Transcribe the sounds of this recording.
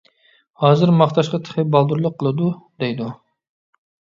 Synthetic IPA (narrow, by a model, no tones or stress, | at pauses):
hɑːzɨɾmɑχt̪ɑʃqɑt̪ʰə̥χɨbɑlˠd̪uɾlˠʊqʰːəlˠɨd̪ud̪ejd̪u